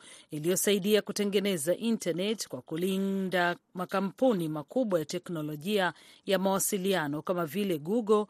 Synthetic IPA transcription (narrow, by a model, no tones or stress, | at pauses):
ilijɔsaiɗiakutɛŋɡɛnɛzaʔintanɛtkwakulindamakam̩punimakuɓwajatɛknɔlɔʄiajamawasilianɔkamavilɛɡuɡɔ